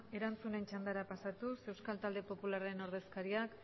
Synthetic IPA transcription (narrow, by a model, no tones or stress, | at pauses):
e̞ɾant͡sune̞nt͡ʃand̪aɾapasat̪use̞wskalt̪ald̪e̞po̞pulare̞no̞ɾð̞e̞skaɾiak